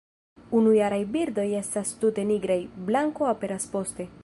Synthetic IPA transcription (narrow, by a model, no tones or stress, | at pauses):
unujaɾajbiɾdo̞je̞stastute̞niɡɾajblaŋko̞ape̞ɾaspo̞ste̞